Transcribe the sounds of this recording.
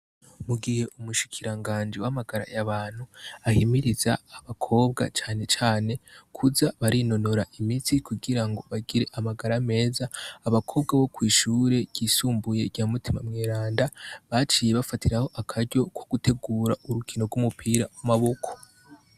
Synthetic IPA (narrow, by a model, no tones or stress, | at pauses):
muɡihe̞ʔumuʃi̥kʰiɾaŋɡaːnd͡ʒiwamaɡaɾa̰jaβaːn̥huahimiɾizaːβakʰo̞ːbɡa̰t͡ʃaːne̞t͡ʃaːne̞kʰuzaβaɾino̞no̞ɾaʔimitikuɡiɾaŋɡo̞βaɡiɾe̞ʔamaɡaɾame̞ːzaːβakʰo̞ːb̚ɡaβo̞kwiːʃuːɾe̞ɡ̥iːsuːmbuje̞ɡɟaːmutimamŋeːɾaːndaβat͡ʃiːje̞βafatiɾaho̞ʔakʰaɾɟo̞koɡ̥ute̞ɡuːɾaʔuɾukʰino̞ɾɡumupʰiːɾawamaβo̞kʰo̞̥